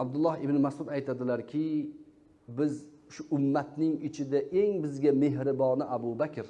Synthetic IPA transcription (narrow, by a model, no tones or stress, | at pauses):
abd̪ʊlˠːɒhɪbnɪmasʊd̪ajt̪ʰad̪ɪlaɾkʲʰɪ | bɪz | ʃʊʔʊmːat̪nɪŋɪt͡ʃʰɪd̪aʔe̞ŋbɪzɡʲame̞ɦɾɪbɒnɪʔabʊbakʲʰɪɾ